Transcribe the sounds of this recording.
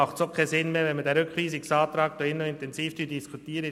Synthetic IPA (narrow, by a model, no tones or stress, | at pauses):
ɑχtsokʰɛsɪnmeːvɛnmədɛːɾʏkviːsɪksɑːt̪ɾɑːk̚td̥oɪnːoɪntɛnziːfdyd̥iskʰutiːɾə